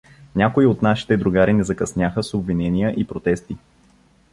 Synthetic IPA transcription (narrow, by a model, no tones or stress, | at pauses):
nʲakoiot̪naʃi̥t̪ɛd̪ɾuɡaɾinɛzɐkɐsnʲaxəsobvinɛnijəʔipɾot̪ɛst̪i